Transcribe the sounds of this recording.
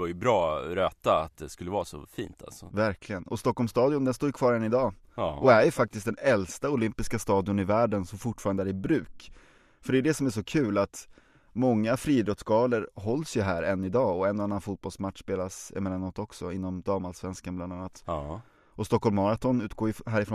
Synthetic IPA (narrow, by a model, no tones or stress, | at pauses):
vaɾjɵbɾɑːɾøːt̪aa̰t̪̚d̪ɛskɵlːəvaɾasɔ̰fḭːnt̪ʰa̰lsɔvæɾkʰlɪɡənɔst̪ɔkːɔlmst̪ɑːd̪ɪʊnd̪ɛnst̪oːjɵkʰvɑːɾɛnːɪd̪ɑː | ʔɔæjɵfak̚t̪ɪst̪̚d̪ɛnɛlst̪aʊlʏmpɪskast̪ɑːd̪ɪʊnɪvæːɖənsɔmfʊʈːfɑːɾand̪əæːɾɪbɾʉ̟ːk | fœɖɛd̪ɛsɔmæʂɔkʰʉ̟ːlat̪ | mɔŋːafɾiːd̪ɾɔt̪sɡɑːləɾɦɔlːsjɵɦæːɾɛnːɪd̪ɑːɔɛnːɔanːanfuːt̪̚bɔlsmat̪ːʂpeːlasɛ̰mɛanːɔt̪ːɔksɔɪnːɔmd̪ɑːmalsvɛnskanbland̪anːat̪ | ɔst̪ɔkʰːɔlmɑɾat̪ɔnʉ̟ːt̪̚ɡoːɾjɦæːɾɪfɾo